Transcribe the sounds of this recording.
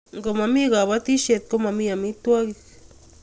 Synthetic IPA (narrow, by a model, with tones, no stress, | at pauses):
ŋɡo˨ma˧mi˦ɡa˨βa˧˦t̪i˦ʃe˧t̪̚ko˦ma˧mi˦a˨mi˦t̪wa˦ɡi˧k